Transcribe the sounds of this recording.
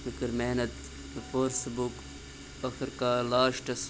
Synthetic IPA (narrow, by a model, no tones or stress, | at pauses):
ɨkiɾmeːnɐt̪ | foɾsbuk | ɐxiɾkaːlaːʃʈɐs